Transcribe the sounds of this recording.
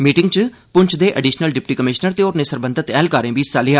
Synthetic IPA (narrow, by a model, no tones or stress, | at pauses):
miːʈɪŋɡt͡ʃ | pʊɲt͡ʃʰd̪eːʔəɖiːʃnəlɖɪp̚ʈiːkəmɪʃnəɾt̪eːoːɾneːsəɾbə̃nd̪ət̪ɛːlkaːɾẽːbiːsaːlɪɦaː